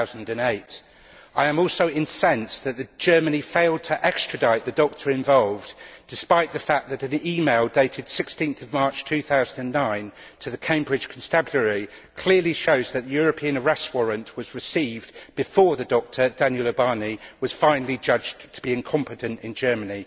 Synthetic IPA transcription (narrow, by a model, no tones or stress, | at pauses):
ʊz̃n̩dɨ̃neɪt | aɪə̃mɔˑlˠsəʊɪ̃nsɛ̃nsðɨtʔ̪̚ðɨd͡ʒɜːmənifeɪlˠd̚tʰəʔɛkstɹ̥ɨdaɪʔ̪ðɨdɒk̚tʰə˞ɨ̃ɱvɒlˠvd̥ɪspaɪʔ̪̚ðəfak̚ðɨɾɨ̃niːmeɪlˠdeɪɾʰɪd̥sɪkstĩnθʌvmɑɹt͡ʃtʰʉːθaʊzə̃n̩də̃nːãɪ̃ntʰəðɨkʰẽɪ̃mbɹɪd̥ʒ̥kʰn̩stabjəɹi | kʰl̥ɪəliʃəʊzðɨʔ̪̚ðɨjɔɹəpʰiə̃nəɹɛst̚wɒɹə̃nʔwɒzɹɨsiːvb̥ɨfɔːɹðɨdɒk̚tʰədæ̃njəlˠəbɑːniwʌz̥fãɪ̃nl̩ˠid͡ʒʌd͡ʒttʰəbiɪ̃nkʰɒ̃mpɨtɨ̃ntɪ̰̃nd͡ʒɜːməni